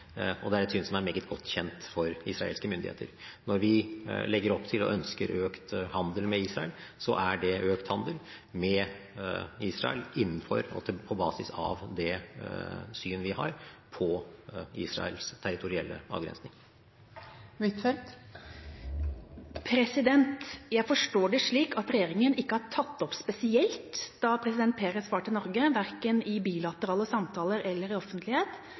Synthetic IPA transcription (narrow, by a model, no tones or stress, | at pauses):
ɔd̪ɛæɾɛt̪syːnsɔmæɾmeːɡət̪ɡɔt̪ːçɛnt̪fɔɾɪsɾɑḛːlskəmʏnd̪ɪ̰ḛːt̪əɾnɔɾʋɪlɛɡːəɾɔpːt̪ʰɪlɔ̰ʔœnskəɾʔøːkt̪hɑnd̪əlmɛiːsɾɑɛlsɔ̰ʔæɖɛʔøːkt̪hɑnd̪əl | mɛ | iːsɾɑ̰ɛ̰lɪnːənfɔɾɔ̰t̪ʰpʰɔbɑːsɪsɑ̰ʋd̪ɛ | syːnʋɪhɑ̰ɾpʰɔiːsɾɑ̰ɛ̰lst̪ʰæɾɪt̪ʰʊɾɪɛ̰lːə̰ɑ̰ːʋɡɾɛ̰nsnɪŋ | ʋɪt̪fɛt̪ | pʰɾɛsɪd̪ɛnt̪jæɪfɔʂʈoːɖɛʂɭiːkɑt̪ɾɛjeːɾɪŋənɪkːəhɑɾʈʰɑt̪ːɔpspɛsɪɛlt̪d̪̥ɑpʰɾɛsɪd̪ɛnt̪̚pʰeːɾəsfɑːʈʰɪlnɔɾɡəʋæɾkənɪbiːlɑt̪əɾɑːləsɑmt̪ʰɑːləɾɛlːəɾɪɔfənt̪ʰlɪheːt̪